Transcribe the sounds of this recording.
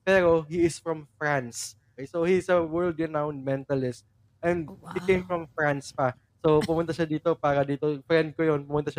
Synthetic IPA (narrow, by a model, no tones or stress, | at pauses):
pɛːɾo̞hiɪsfɹɐmfɹãnsokɛjsowhiɪsɐwɛɹld̪ɹɪnawnd̪̚mɛ̃nt̪ɐlɪst̪̚ | ʔɛ̃nd̪̚hikẽjmfɹɐmfɹanspɐ | sopʊmʊnt̪ɐʃad̪iːt̪o̞paːɾɐd̪iːt̪ofɾɛnd̪̚kojonpʊmʊnt̪aʃa